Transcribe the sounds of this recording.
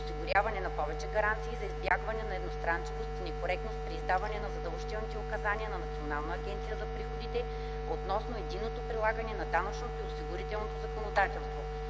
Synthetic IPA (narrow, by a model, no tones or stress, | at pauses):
osiɡʊɾʲavɐnɛnɐpɔvɛt͡ʃɛɡɐɾant̪siːzɐizbʲjaɡvɐnɛnɐɛd̪nost̪ɾant͡ʃɛvost̪inɛkoɾɛk̚t̪nost̪pɾiːzd̪avɐnɛnɐzɐd̪ɐlˠʒit̪ɛlˠnit̪ɛʊkɐzaniənɐnɐt̪sionalˠnɐɐɡʲɛnt̪sijəzɐpɾixod̪it̪ɛ | ot̪nɔsnoɛd̪inːot̪opɾilˠaɡɐnɛnɐd̪anɐt͡ʃnot̪oiosiɡʊɾit̪ɛlˠnot̪ozɐkonod̪at̪ɛlˠst̪vo